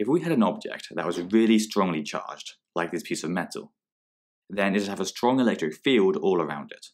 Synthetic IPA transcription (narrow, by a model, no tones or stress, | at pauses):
ɪfwiəɾə̃nɒb̚d͡ʒɛ̰k̚ðəʔwɒzɹɪəlistɹ̥ɒ̃ŋlit͡ʃʰɑ̰ːd͡ʒd | laɪk̚ðɪspʰiˑsəvmɛtˡə̰l̩ˠ | ðə̃nɪtəvəstɹ̥ɒ̃ŋɪlɛk̚tɹ̥ɪkfiːlˠdɔːlˠəɹã̰ʊ̃ndɪt